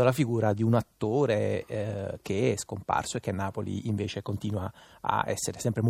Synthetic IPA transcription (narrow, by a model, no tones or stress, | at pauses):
olafiɡuːɾad̪iunat̪ːoːɾe | k̟eɛskompa̰rsoek̟ːenːaːpolḭʔiɱveːt͡ʃekont̪iːnwaa̰ɛ̰sːeɾesɛmpɾem